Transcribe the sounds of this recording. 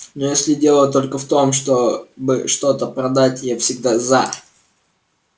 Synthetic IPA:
nojesʲlʲɪdʲe̞lˠət̪o̞lʲkəft̪o̞mʂt̪obɨ̰ʂt̪o̞t̪əpɾɐd̪atʲɪjefsʲɪɡ̚d̪aza

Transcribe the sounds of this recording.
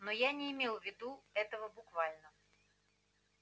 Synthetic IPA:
nojanʲɪːmʲelˠvʲɪd̪uɛt̪əvəbʊkvalʲnə

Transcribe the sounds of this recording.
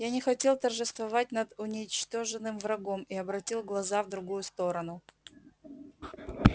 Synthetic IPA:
janʲɪxɐtʲe̞lˠt̪ərʐɨst̪vɐvat̚ʲnəd̪ʊnʲɪt͡ɕt̪o̞ʐɨnːɨmvɾɐɡo̞mɪɐbɾɐtʲilˠɡlˠɐzavd̪ɾʊɡujʊst̪o̞ɾənʊ

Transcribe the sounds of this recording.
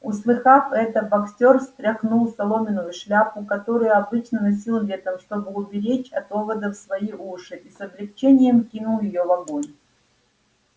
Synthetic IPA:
ʊslˠɨxafɛt̪əbɐksʲtʲorst̪ɾʲɐxnulˠsɐlˠo̞mʲɪnʊjʊʂlʲapʊkɐt̪o̞ɾʊjʊɐbɨt͡ɕnənɐsʲilˠvʲet̪əmʂt̪o̞bɨʊbʲɪɾʲet͡ɕɐt̪o̞vəd̪əfsvɐiʔuʂɨʔisɐblʲɪkt͡ɕenʲɪjəmkʲinʊlˠjɪjovɐɡojʲ

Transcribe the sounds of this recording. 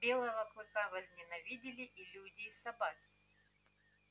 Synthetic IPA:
bʲelˠɐvɐkɨkavɐzʲnʲɪnɐvʲidʲɪlʲɪʔilʲudʲɪːsɐbakʲɪ̥

